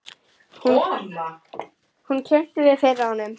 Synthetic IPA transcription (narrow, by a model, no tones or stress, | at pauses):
hun | huncʰɛn̥t̪ɪvɪɾ̥fejɾaanʏm